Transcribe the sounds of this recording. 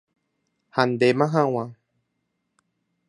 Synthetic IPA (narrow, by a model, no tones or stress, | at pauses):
hand̪emãɦãw̃ã